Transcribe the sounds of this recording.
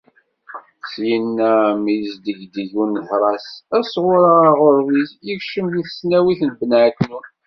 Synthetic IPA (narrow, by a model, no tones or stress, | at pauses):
sjinːæmijzd̪əʝd̪əʝunθɾˤɑsæsʁʊɾaʁʊɾvisjəkʃəmjiθə̥snæwiθnbənʕkːnun